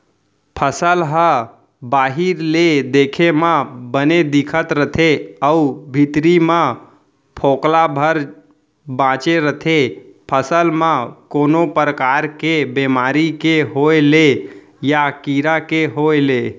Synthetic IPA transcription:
pʰəsəlɦə | baɦiɾled̪ekʰemãbəned̪ikʰət̪ɾət̪ʰeəubʱit̪ɾimã | pʰoklabʱəɾ | bãt͡ʃeɾət̪ʰepʰəsəlmãkoːnopɾəkaɾkebemaɾikeɦoele | jakiɾakeɦoele

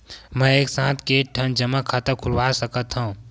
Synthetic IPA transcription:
mə̃eːksãːt̪ʰkeʈʰənd͡ʒəmakʰat̪əkʰulwasəkət̪ɦũ

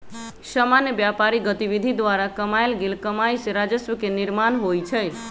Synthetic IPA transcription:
samanjəbjapaɾiɡət̪iβid̪ʱid̪ʋaɾakəmajlɡelkəmajsẽɾad͡ʒəsʋəkeniɾmanɦojt͡ʃʰəj

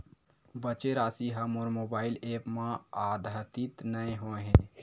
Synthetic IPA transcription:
bət͡ʃeɾaːsiɦɐmoːɾmoːbaːɪleːpmãaːd̪ʱət̪it̪nəẽɦoẽɦɛ̃ː

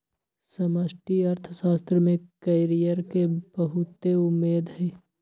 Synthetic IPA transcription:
sɐməsʈiɐɾt̪ʰəʃaːst̪ɾəmẽkɐɪɾijəɾkebɐɦʊt̪eʊmːeːd̪ɦɛː

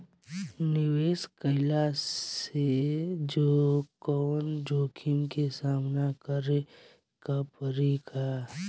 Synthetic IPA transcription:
nɪweːskəɪla | ed͡ʒoːkɔːnd͡ʒoːkʰɪnkesaːmnakəɾe | kapəɾiːkʰa

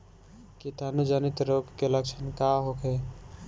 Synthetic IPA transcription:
kit̪anud͡ʒənit̪ɾoːɡkeləkʃʰənkaɦokʰe

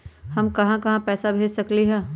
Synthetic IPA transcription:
hɐmkɐɦãkɐɦãpɛːsabʱeːd͡ʒsɐkliɦɛ̃ː

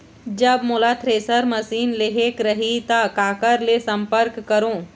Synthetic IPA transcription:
d͡ʒəbmoːlat̪ʰɾeːsəɾməsiːnleɦekɾəɦit̪akaːkəɾlesə̃mpəɾkːəɾõː

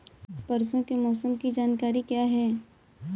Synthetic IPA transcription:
pɐɾsõkemɔːsəmkid͡ʒaːnkaːɾikjaːɦɛː

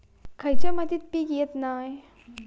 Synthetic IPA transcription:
kʰajt͡ɕaməd̪it̪̚pikjet̪naːj

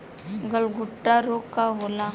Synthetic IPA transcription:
ɡəlɡʊʈːaɾoːkkːaɦola

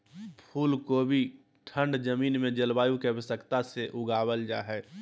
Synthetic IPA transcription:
pʰuːlkobʱi | ʈʰə̃ɳɖd͡ʒəmiːnmẽd͡ʒəlbaːjũkebəsəkt̪aseʔʊɡaːwəld͡ʒa̰ːɦɛː

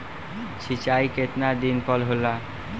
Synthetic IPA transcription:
t͡ɕʰit͡ɕajket̪naɾd̪inpɔlɦola

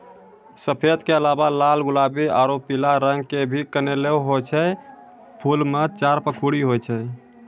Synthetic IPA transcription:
səpʰet̪keəlabalalɡulabia̰ɾopilaɾəŋɡkebʱikəneleɦot͡ʃʰɛ | pʰulmet͡ʃaɾpəkʰuɽiɦojt͡ʃʰɛ

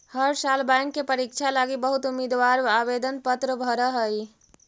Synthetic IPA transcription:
həɾsalbãŋkːepəɾikt͡ʃʰalaɡibəɦut̪umid̪ʋaɾʋabed̪ənpət̪ɾəbʱəɾəɦəj

